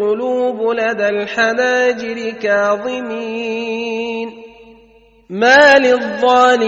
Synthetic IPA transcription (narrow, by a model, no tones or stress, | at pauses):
ʊluːbʊlad̪aːlħanaːd͡ʒɪɾɪkɑːðˤɨmiː | n | maːlɪðˤːɑːlɪ